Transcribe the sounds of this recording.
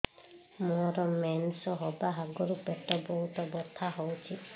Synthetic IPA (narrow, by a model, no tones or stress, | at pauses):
mɔɾɔmensɔɦɔbaɦaɡɔɾupeʈɔbɔɦut̪ɔbɔt̪ʰaɦowt͡ʃʰi